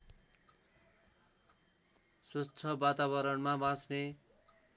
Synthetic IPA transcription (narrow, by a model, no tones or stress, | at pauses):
sut͡sʰʌbat̪aβʌɾʌnmabãt͡sne